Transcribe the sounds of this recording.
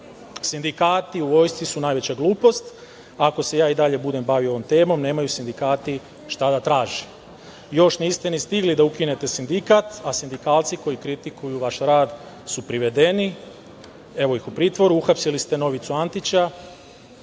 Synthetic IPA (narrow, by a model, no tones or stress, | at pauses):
sind̪ikaːt̪iuʋo̞jst̪isunaːjʋe̞t͡ɕaɡlˠuːpo̞st̪ | ako̞se̞jaːid̪aʎe̞bud̪e̞mbaʋio̞ʋomt̪e̞ːmo̞mne̞ːmajusind̪ikaːt̪i | ʃt̪ad̪at̪ɾaːʒi | jo̞ʃniːst̪enist̪iɡlid̪aukine̞t̪e̞sind̪ikat̪asind̪ikaːlt̪siko̞jikɾit̪ikʰujuʋaʃɾaːd̪ | supɾiʋe̞d̪e̞ni | e̞ʋo̞ixupɾiːt̪ʋo̞ɾuuxapsilist̪e̞no̞ʋit̪suant̪it͡ɕa